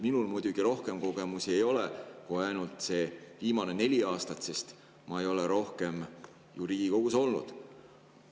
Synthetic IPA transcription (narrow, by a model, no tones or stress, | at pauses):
minulmujd̪̥ʲuɡ̥iɾo̞hke̞mko̞ɡe̞muse̞jo̞leko̞heɑjnult̪ˑse̞viːmɑne̞ne̞lʲiɑːst̪ɑt̪se̞st̪ | mɑejo̞leɾo̞hke̞m | juɾiːɡ̥iko̞ɡ̥uso̞lnṵd̪̥